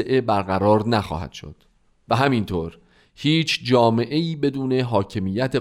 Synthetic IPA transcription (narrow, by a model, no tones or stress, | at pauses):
eʔe̞bæɾɣæɾɒːɾnæxɒ̰ːhæ̰d̪̥ʃo̰d̪̥ | væɦæmint̪ʰoːɾ | hiːt͡ʃʰd͡ʒɒːme̞ʔe̞iːbe̞d̪uːne̞ɦɒːcʰe̞mijæt̪ʰe